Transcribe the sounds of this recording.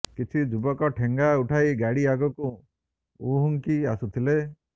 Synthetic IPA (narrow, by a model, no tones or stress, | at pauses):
kit͡ʃʰid͡ʒubɔkɔʈʰeŋɡauʈʰajɡaɽiaɡɔku | uɦuŋkiasut̪ʰile